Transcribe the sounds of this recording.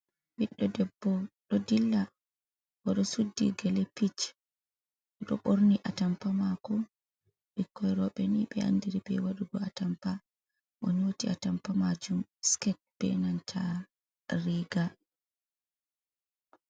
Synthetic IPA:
wiɗːɔdɛbːɔɗɔdilːa | waɗɔsudːiɡɛlɛpit͡ʃ | ɗɔɗɔ̰ɓoɾniʔatampamakɔ | ɓikːɔjɾɔɓɛniɓɛa̰ndiɾibɛ̰jwaɗuɡɔatampa | ʔɔniwotiatampamad͡ʒumskɛt̚b̥ɛ̰nantʰa | ɾiɡa

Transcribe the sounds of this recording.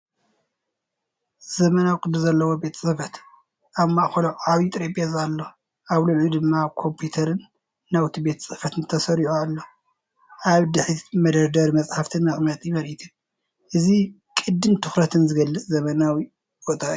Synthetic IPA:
z̥ɐmɐnawikʼɨd̪ɨzɐlːɐwobe̞t̪ʰsʼɨfɐt̪ | ʔaβmaʔxoloʔʕaβit̪ʼɾepʼjazalːo | ʔaβluʕud̪ɨmːaβkʰo̞mpʰjut̪ʰɐɾɨnː | awt̪ʰibe̞t̪ʰsʼɨfɐt̪ɨnt̪ʰɐsɐɾiħualːo | ʔaβd̪ɨħimɐd̪ɐɾd̪ɐɾimɐt͡sʼħaft̪ʰɨnːɐχʼmɐt̪ʼjiβɐɾit̪ʰu | ʔɨzi | kʼɨd̪ːɨnt̪ʰɨxɾɐt̪ʰɨnzɨɡɐlːɨt͡sʼzɐmɐnawi | bot̪ʼaʔiu

